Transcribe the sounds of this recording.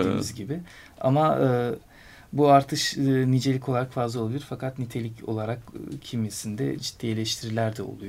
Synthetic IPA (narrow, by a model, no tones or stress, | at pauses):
iːmizɟibɪ | a̰maɯː | buaɾt̪ʰɯʃɯːnid͡ʒelʲicʰo̞lˠaɾakfazlˠaolˠabilʲiɾfakʰat̪nit̪ʰe̞lʲico̞̰lˠaɾakːcʰimjesind̪ɛ̰d͡ʒi̥t̪ʰːijelʲɛʃt̪ʰiɾilʲæɾd̪ɛo̞̰lˠuj